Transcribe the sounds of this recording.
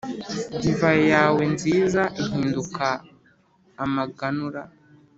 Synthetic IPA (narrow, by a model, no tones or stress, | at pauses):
iɱvajojaːwe̞nziːzaʔiɦiːndukaː | maɡanuɾa